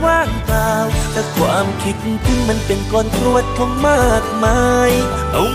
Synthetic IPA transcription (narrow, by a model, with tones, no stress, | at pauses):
waː˥˩ŋklaː˧wt̪ʰaː˧˩kʰwaː˧˥mkʰi˧˥t̪̚t̪ʰi˧˥ma˧˥npe˨nkɔː˧˩nkɾu˧˩ət̪̚kʰɔ˧˥ŋmaː˥˩k̚ma˧˥j | ʔa˨˦w